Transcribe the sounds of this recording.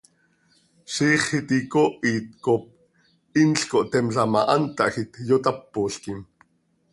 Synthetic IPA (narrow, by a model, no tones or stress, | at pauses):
ʃiːχhit̪ikoʔiːt̪̚kop̚ | inɬkoʔt̪ɛmɬamɑ̰ʔant̪ɑʔxit̪jot̪apːoːɬkim